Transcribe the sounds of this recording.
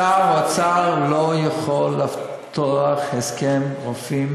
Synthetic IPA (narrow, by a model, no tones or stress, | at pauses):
aat͡saʁlojaχolːaf | t̪oaχheskemʁofim